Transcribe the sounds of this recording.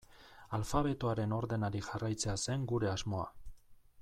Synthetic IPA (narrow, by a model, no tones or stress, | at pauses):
alfaβ̞e̞t̪oaɾe̞no̞ɾðe̞naɾiʝarajt͡se̞ase̞ŋɡuɾe̞azmo̞a̰